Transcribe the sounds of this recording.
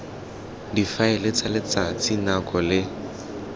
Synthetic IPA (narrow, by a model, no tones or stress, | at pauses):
difaɪlɪt͡sʼalɪt͡sat͡sinakʼɔlɪ